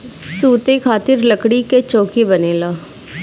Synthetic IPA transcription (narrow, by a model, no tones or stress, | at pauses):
suːt̪ekʰaːt̪ɪɾləkɽiket͡ʃoːkebəneːlaː